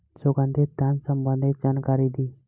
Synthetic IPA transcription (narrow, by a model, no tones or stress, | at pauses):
soɡãnd̪ed̪jansəmbə̃nd̪it̪̚d͡ʒankaɾid̪i